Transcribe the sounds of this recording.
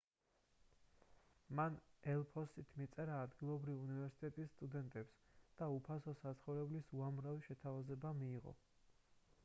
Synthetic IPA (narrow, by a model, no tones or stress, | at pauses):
manɛlˠpʰɔsit̪ʰmit̪sʼɛɾaːd̪ɡilˠɔbɾiviunivɛɾsi̥t̪ʼɛt̪ʼisːt̪ʼud̪ɛnt̪ʼɛpsd̪̥aupʰasɔsat̪sʰχɔvɾɛblisuamɾaviʃɛt̪ʰavazɛbamiːʁɔ̰